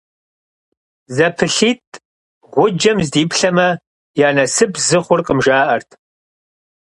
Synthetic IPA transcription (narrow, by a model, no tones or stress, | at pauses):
zɐpʰɨɬiːtʰʼ | ʁʷʊd͡ʒɐmzdiːpɬɐmɐ | jaːnɐsɨbzɨχʷʊrqəmʒaːʔɐrtʰ